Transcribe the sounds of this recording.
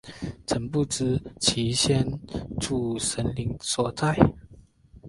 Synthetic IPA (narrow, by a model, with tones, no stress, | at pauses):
ʈ͡ʂʰə˨˩npu˥˩t͡s̩˥t͡ɕʰi˧˥ɕjɛ˥nʈ͡ʂu˥˩ʂə˧˦nli˧˥ŋswɔ˨˩t͡sa˥˩ɪ